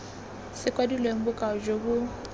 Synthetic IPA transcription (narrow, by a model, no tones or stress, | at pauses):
sɪkʼwadilweŋ̩bʊkʼaɔd͡ʒokʊ